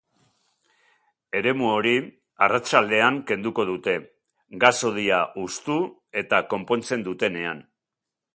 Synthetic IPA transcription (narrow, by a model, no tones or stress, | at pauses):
e̞ɾe̞muo̞ɾi | arat͡ʃald̪e̞aŋke̞nd̪uko̞ð̞ut̪e̞ | ɡaso̞ð̞iaʔust̪ue̞t̪ako̞mpo̞nt͡se̞nd̪ut̪e̞ne̞a̰n